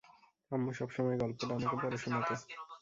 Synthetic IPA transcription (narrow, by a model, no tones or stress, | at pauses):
amːoʃɔbʃɔmɔeɡɔlpobanekepɔɾeʃonat̪o